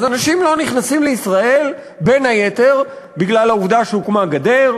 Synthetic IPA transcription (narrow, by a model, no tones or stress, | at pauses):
azanaʃimlo̞niχnasimleisʁae̞l | be̞nhajet̪e̞ʁ | biɡlalauvd̪aʃeukmaɡad̪eʁ